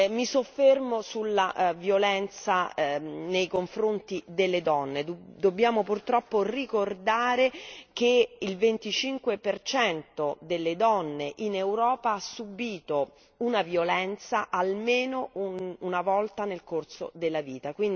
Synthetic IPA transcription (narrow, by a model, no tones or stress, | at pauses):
misofːermosulːavjolɛnt̪sa | nejkoɱfɾont̪id̪elːed̪ɔnːed̪d̪obːjaːmopurt̪ɾɔpːorikord̪aːɾekeilvent̪it͡ʃiŋkwepert͡ʃɛnt̪od̪elːed̪ɔnːeʔinewɾɔːpaasubiːt̪o | unavjolɛnt̪saʔalmeːnouunavɔlt̪anelkorso̰d̪elːaviːt̪akwind̪